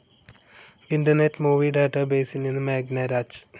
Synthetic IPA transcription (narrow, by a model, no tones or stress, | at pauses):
iɳʈ̪ɐneʈːmuːʋiɖaːʈabeːsininɨmeːɡnaɾaːt͡ʃ